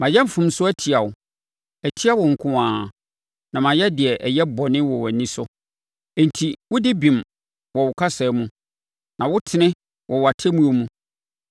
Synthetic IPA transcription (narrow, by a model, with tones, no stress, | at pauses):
mã˨jɛ˦m̩˨fʊ̃˨msʊ˦æ˦tʰɪ˨a˨wʊ˨ | æ˨tʰi˦a˦wɔ˨ŋ̩˨kʰʊ̃˦ãː˨ | nã˨mã˨jɛ˦dɪ˨ɛ˨ʔɛ˨jɛ˦bɔ˨nɪ̃˦wɔ˨wæ˨nĩ˦sʊ˦ | ɛ̃˨n̩˨tʰi˨wʊ˦dɪ˦bĩ˨m | wɔ˨wʊ˨kʰa˦sa˨˦mũ˦ | nã˨wʊ˦tʰɪ˨nɪ̃˦ | wʔɔ˨wʊ˨a˨tʰɛ˦mũ˦o˦mũ˦